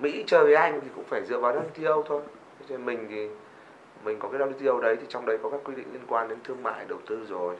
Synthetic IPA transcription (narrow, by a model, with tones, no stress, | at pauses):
mḭ˧˥t͡ɕəː˨˩jve˨˦jʔa˧jŋ̟t̪ʰi˨˩kʊ̰˧˥ŋ͡mfaː˧˩jzɨ̰˧˨əvaː˨˩wɗa˧wɗi˧t̪i˧ʔə˧wt̪ʰo˧j | t͡ɕɔ˧e˧nmï˨˩ŋ̟t̪ʰi˨˩ | mï˨˩ŋ̟kɔ˨˦kaː˨˦jza˧i˧t̪i˧ʔə˧wɗə˨˦jt̪ʰi˨˩t͡ɕɔ˧wŋ͡mɗə˨˦jkɔ˨˦kaː˦˥kːwi˧ɗḭ˧˨li˧ənkwaː˧nɗe˨˦nt̪ʰɨ˧əŋma̰ː˧˨jɗə˨˩wt̪ɨ˧zo˨˩j